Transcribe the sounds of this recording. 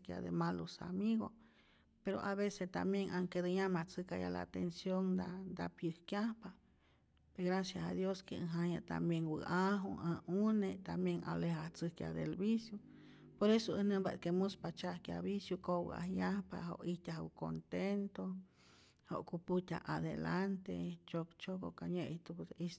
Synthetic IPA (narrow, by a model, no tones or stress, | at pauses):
kja̰d̪ḛmalosa̰miɣo̰ | peɾo̰ʔaβesest̪a̰mjeŋʔaŋked̪ɨɲamat͡sɨkaja̰la̰t̪ensjoŋd̪ad̪apjɨhkjahpa | eɣɾasjahad̪joskeɨɦaɲat̪a̰mbjeŋwɨ̰aɦṵaunet̪amjeŋa̰lehaht͡sɨhkja̰d̪elbisju | poɾesoənɨmba̰t̪kemuspat͡ʃahkja̰βisjukow̰a̰hjahpaho̰ʔit̪ʲahuko̰nt̪ent̪o | ho̰ʔkuput̪ʲa̰ʔaðḛlant̪ḛt͡ʃokt͡ʃokokaɲet̪upd̪is